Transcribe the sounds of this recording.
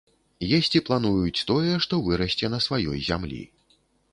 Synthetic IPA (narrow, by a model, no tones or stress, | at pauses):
jɛsʲt͡sʲiplˠan̪ujut͡sʲt̪ɔjɛʂt̪ɔvɨɾɐsʲt͡sʲɛnɐsvajɔ̰jzʲa̰mlʲḭ